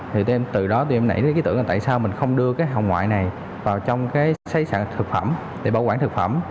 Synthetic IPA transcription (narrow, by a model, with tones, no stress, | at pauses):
t̪ʰi˨˩t̪ʔɛ˧mt̪ɨ˨˩ɗɔ˨˦t̪u˧ʔɛ˧mna̰˧˩jki˨˦t̪ɨ̰˧˩əʔaː˨˩a̰ː˧˨jsaː˧wmï˨˩ŋ̟xə˧wŋ͡mɗɨ˧əkaː˨˦jɦa̰˧˨wŋwa̰ː˧˨jna˨˩j | vaː˨˩wt͡ɕɔ˧wŋ͡mkaː˨˦jsa˨˦jsaː˧˨ŋt̪ʰɨ˨˩k̚fə˧˩m | ɗe˧˩ɓaː˧˩wkwaː˧˩nt̪ɨ˨˩k̚fə˧˩m